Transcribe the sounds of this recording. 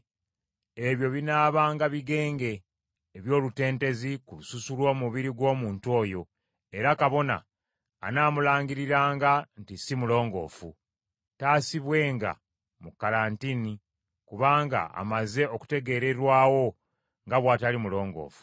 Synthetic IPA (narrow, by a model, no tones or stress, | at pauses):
e̞βjo̞βinaːβaːŋɡaβiɡe̞ːŋɡe̞ː | βjo̞ːlute̞ːnte̞zikulususulwo̞ːmuβiɾiɡwo̞ːmuːntuo̞ːjo̞ | e̞ɾakaβo̞na̰ː | naːmulaːŋɡiɾiɾaːŋɡantisimulo̞ːŋɡo̞̰ːfu | taːsiβwe̞ːŋɡa̰ | mukaɾaːntini | kuβaːŋɡa̰a̰maze̞o̞ku̥te̞ɡe̞ːɾe̞ɾwaːwo̞ | ŋɡaβwaːtalimulo̞ːŋɡo̰ːfu̥